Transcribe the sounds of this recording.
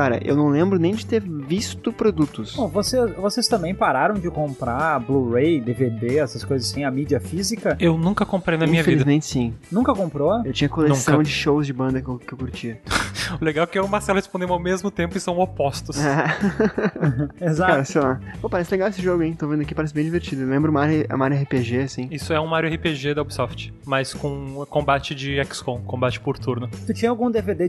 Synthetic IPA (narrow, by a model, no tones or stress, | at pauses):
kaɾɐ̰ʔḛwnɐ̃w̃lẽmbɾʊnẽj̃d͡ʒɪt̪eɾvist̪ʊpɾod̪ut̪ʊsõvosesvosest̪ɐ̃mbẽj̃paɾaɾɐ̃w̃d͡ʒɪkõmpɾabluʁejd̪eved̪eɛsɐskojzɐssĩj̃ɐmid͡ʒiɐfizikɐewnũkɐkõmpɾejnɐmiɲ̃ɐvfeilid̪ɐzmẽnt͡ʃɪ̥sĩnũkɐkõmpɾoewt͡ʃĩɲɐkoleũskɐ̃w̃d͡ʒɪʃowzd͡ʒɪbɐ̃nd̪ɐkkɪewkuɾt͡ʃiɐʊleɡawɛkɪeʊmaɾsɛlʊhespõd̪ẽm̃awmezmʊt̪ẽmpʊɪsɐ̃w̃opɔst̪ʊsɛ | ezakaɾɐsejlapopaɾɛsɪleɡawesɪʒoɡʊẽj̃t̪ovẽnd̪ʊakipaɾɛsɪbẽj̃d͡ʒiveɾt͡ʃidʊewlẽmbɾʊumɐaɾɛ̰ũmaaɾʊɛɦɪpeʒeasĩisʊɛũmaɾʊɛhɪpeʒed̪ɐobisɔft͡ʃɪ̥ | mɐjskõkõmbat͡ʃɪd͡ʒɪɛkskõkõmbat͡ʃɪ̥poɾt̪uɾnʊt̪ut͡ʃĩɲɐawɡũd̪eved̪e